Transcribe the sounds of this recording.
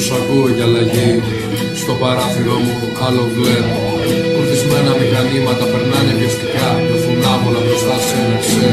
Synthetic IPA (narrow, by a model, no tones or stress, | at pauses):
sɐkuoʝɐlɐʝi | st̪o̞pɐɾɐθiɾomuokʰɐlovlevo | kuɾθizme̞nɐmixɐnimɐt̪ɐpeɾnɐnevest̪ikɐefunɐpolɐpɾost̪ɐssenikse